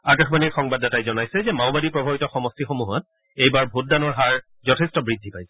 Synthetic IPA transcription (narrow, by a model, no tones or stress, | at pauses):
akaxbanikxɔŋbadatajzɔnajsɛzɛmawbadipɹɔbʱabitɔxɔmɔstixomuɦɔt̚ | ejbaɹbʱut̚danɔɹɦaɹ | zɔtʰɛstɔbɹidʱːipajsɛ̥